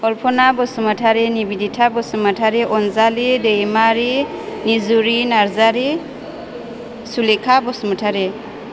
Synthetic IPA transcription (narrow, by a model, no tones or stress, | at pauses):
ɔlpʰɔnabɔsumatʰaɾinibiditʰabɔsumatʰaɾiʔɔnzalidejmaɾinizuɾinaɾzaɾi | sulikʰabɔsumatʰaɾe